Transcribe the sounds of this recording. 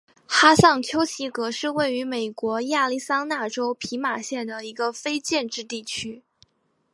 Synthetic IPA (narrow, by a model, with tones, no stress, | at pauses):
xa˥sɑ˥˩ŋt͡ɕʰjo˥ʊɕi˧˥kɤ˧˥ʂɻ̩˥˧we˥˩ɪy˧˥me˨˩ɪkwɔ˧˥ja˥˧li˥˩sa˥ŋna˥˩ʈ͡ʂo˥ʊpʰi˧˥ma˨˩ɕjɛ˥˩nd̪ə˩i˧˥ɡə˧fe˥ɪt͡ɕjɛ˥˧nʈ͡ʂɻ̩˥˧t̪i˥˩t͡ɕʰy˥